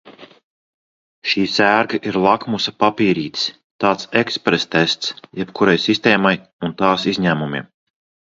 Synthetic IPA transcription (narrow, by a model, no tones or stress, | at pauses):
ʃiːsæːɾɡaʔiɾlˠakmusapapiːɾiːt̪s | t̪aːt̪sekspɾest̪ɛst̪sjɛpkuɾajsist̪ɛːmaj | unt̪aːsizɲæːmumʲḭɛm